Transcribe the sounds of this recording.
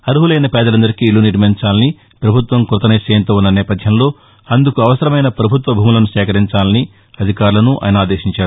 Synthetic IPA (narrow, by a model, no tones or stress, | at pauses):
ɐɾuɦulɐjnɐpɛːd̪ɐlɐnd̪ɐɾikiluniʈmeɲt͡ʃaːlɐni | pɾɐbʱut̪ʋɐmkɾut̪ɐnɐjseːnt̪oːunːɐnɛːpɐd̪ʱjɐmlo̞ː | ɐnd̪ukuɐʋɐsɐɾɐmɐjnɐpɾɐbʱut̪ʋɐbʱuːmulɐnuʃɛːkɐɾiɲt͡ʃaːlɐni | ɐd̪ʱikaːɾulɐnuʔɐ̰jnɐaːd̪e̞ːʃiɲt͡ʃaːɽu